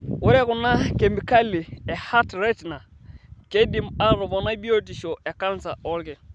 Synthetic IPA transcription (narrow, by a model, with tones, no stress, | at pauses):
ʊ˦ɾɛ˦kʊ˨na˦ke˨mi˨ka˦li˨ɛ˨ha˦tɾɛ˦tna˨ | ke˦di˨ma˦ɾɔ˨bɔ˨na˦bi˦o˦ti˨ʃo˨ɛ˨ka˦nsa˨ɔ˦lkɛ˨